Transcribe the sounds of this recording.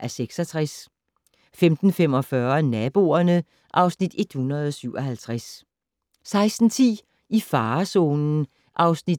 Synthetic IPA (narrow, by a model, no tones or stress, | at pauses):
ʔæɐseɡ̥sɒ̽t͡sʰʁas | femd̥n̩fem̰ɒ̽fɶɐnæb̥o̝ːɐnə | ʔɑ̈ʊsnid̥e̝d̥hunɐð̞̩ˠɒ̽syʊ̰ɒ̽ɦælt͡sʰʁas | sɑ̈ɪsd̥n̩t͡sʰḭː | ifɑ̈ːso̝̰ːnn̩ | ʔɑ̈ʊsnid̥